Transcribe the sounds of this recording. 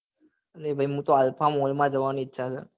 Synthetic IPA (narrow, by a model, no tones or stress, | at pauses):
əlebʱəjɦũt̪oəlpʰamolmãd͡ʒəʋanĩɪtːʃʰat͡ʃʰḛ